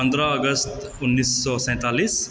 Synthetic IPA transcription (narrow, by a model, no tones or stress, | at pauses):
ə̃nd̪ɾəːɡəst̪unːiːsːɔsɛ̃t̪aliːs